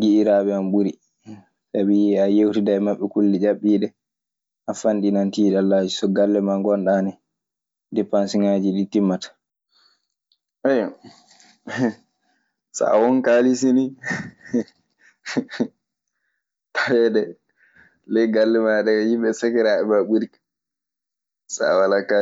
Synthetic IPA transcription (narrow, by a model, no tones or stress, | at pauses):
ɡiʔiɾaɓɛamɓuɾi | sabiajewtidaɛmaɓːɛkulːid͡ʒaɓːiːɗɛ | ʔafanɗinantiːɗalːad͡ʒisɔɡalːɛmaŋɡɔnɗanɛ | dɛpansiŋad͡ʒiɗitimːatḁ | ʔɛj | sa̰wɔnkaːlisini | tawɛdɛ | lɛjɡalːɛmaɗɛjimɓɛsakɛɾaɛmaɓuɾik | sa̰walaka